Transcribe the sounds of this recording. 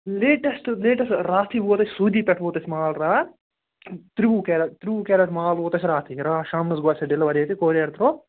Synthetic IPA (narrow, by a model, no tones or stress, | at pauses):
leːʈɐsʈleːʈɐsʈɾaːt̪ʰiʋuːt̪ɐsi̥suːd̪iːpɛʈʋoːt̪ɐsimaːlɾaː | t̪ɾiʋuːkeːɾɐt̪ɾiʋuːkeːɾɐʈmaːlʋoːt̪ɐsiɾaːt̪ʰiɾaːʃaːmnɐsɡaːt̪sɐɖilːɐʋɐɾeːt̪ikoːɾeːɾt̪ɐɾoː